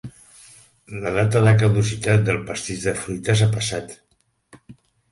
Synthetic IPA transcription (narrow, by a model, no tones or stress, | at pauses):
ləðat̪əðəkəðuzit̪at̪̚d̪əlˠpəst̪iʒðəfɾujt̪əs̬apəsat̪